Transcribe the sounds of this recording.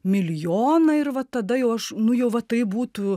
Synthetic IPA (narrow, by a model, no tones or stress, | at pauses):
mʲɪlʲjoːnɐɪrʋɐt̪ɐd̪ɐjɛʊɐʃnʊjɛʊʋɐt̪ɐɪbuːt̪ʊ